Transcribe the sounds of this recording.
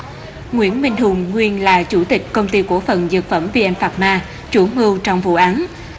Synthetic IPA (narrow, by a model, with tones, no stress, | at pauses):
ŋwḭ˧˥ənmï˧ŋ̟hʊ˨˩ŋ͡mŋwi˧ənlaː˨˩t͡ɕu˧˩t̪ï˨˩k̟̚kə˧wŋ͡mt̪i˧ku˧˩əfə˨˩nzɨ˨˩t̚fə˧˩mvi˧ʔɛ˧nfaː˨˩t̚maː˧ | t͡ɕu˧˩˦əmɨ˧wt͡ɕɔ˧wŋ͡mvṵ˧˨ʔaː˨˦n